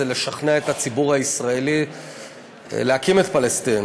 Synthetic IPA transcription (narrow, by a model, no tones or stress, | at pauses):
ele̞ʃaχneaet̪hat͡sibuʁhaisʁaeli | leakimet̪palest̪in